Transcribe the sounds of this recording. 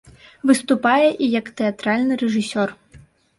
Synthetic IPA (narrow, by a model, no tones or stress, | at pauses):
vɨst̪upajɛʔijɐkt̪ɛat̪ɾalʲnɨɾɛʐɨsʲɔr